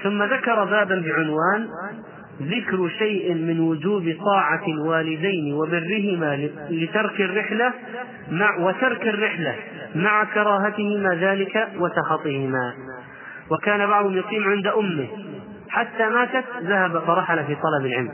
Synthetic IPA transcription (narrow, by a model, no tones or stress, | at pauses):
θʊmːaðakɑɾˤɑbaːbanbɪʕʊnwaːn | ðɪkɾʃajʔɪmɪnwʊd͡ʒuːbt̪ˤɑːʕalwaːlɪd̪ajnwɪbɪrːɪɦɪmalɪt̪ɑɾˤkɪrːɪħla | mawɪt̪ɑɾˤkɪrːɪħla | maʕakɑɾˤɑːɦat̪ɪhɪmaðaːlɪkawat̪ɑxɑt̪ˤːɪhɪma | wɪkaːnabɑʕðˤhʊmjʊqiːmʕɪnd̪ʔʊmːɪ | ħat̪ːamaːt̪at̪ðahabfɑɾˤɑħalafiːt̪ˤɑlɑbɪlʕɪ̰lm